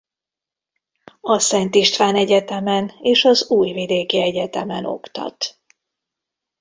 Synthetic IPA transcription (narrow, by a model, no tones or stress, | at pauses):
ɒsɛnt̪iʃt̪ʋaːnɛɟɛt̪ɛmɛneːʃɒzuːjvid̪eːkiɛɟɛt̪ɛmɛ̰no̞̰kt̪ɒ̰t̪